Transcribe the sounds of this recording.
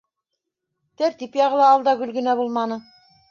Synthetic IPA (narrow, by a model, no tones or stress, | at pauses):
t̪æɾt̪ipjɑʁɤ̆lˠɑːlˠd̪ɑɡɵ̆lɡɘ̆næbulˠmɑnɤ